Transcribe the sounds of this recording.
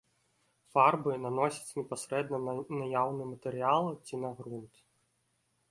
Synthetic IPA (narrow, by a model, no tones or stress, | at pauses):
farbɨnanɔsʲɐ̥t͡sʲnʲɛpasɾɛd̪nɐnajawnɨmɐt̪ɛɾɨjalˠt͡sʲinaɣɾunt̪